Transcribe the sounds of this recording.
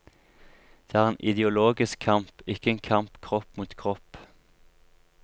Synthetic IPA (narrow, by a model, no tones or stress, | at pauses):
d̪̥eːæːʁeːnʔɪd̪ɪʊloːɡɪskʰɑmpɪkəeːŋkʰɑmpkʰʁɔpmuːt̪kʰʁɔp